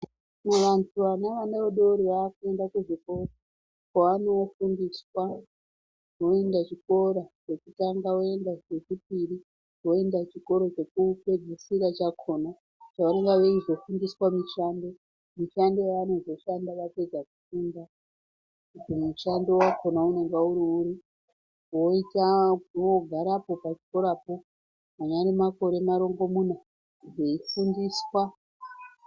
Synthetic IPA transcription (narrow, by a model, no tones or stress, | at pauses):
meʋantʰuʋanaʋaneoɗoɾiʋakuendakuʐikora | kaʋano̞fundiswa | wo̞e̞ndat͡ʃiko̞ɾat͡ʃe̞kutaŋɡawo̞endaet͡ʃip̚iɾi | wo̞e̞ndat͡ʃiko̞ɾo̞t͡ʃe̞kupe̞d͡zisiɾat͡ʃakʰona | t͡ʃaoneŋɡaʋeiʐo̞fundiswamiʃando̞ | miʃando̞jano̞zo̞ʃandaʋape̞d͡zakufunda | kutimuʃando̞wakʰo̞naune̞ŋɡauɾiuɾi | wo̞itawo̞ɡʱaɾapo̞pat͡ʃi̥ko̞ɾapo̞ | maɲaɾimako̞ɾe̞maɾo̞ŋɡo̞muna | ʐe̞ifundiswa